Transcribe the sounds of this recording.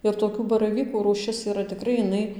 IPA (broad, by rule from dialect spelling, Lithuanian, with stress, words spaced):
ɪr toːˈkʲuː bɐrɐˈʋʲiːkuː ruːˈʃʲɪs iːˈrɐ tʲɪˈkrɐɪ ɪˈnɐɪ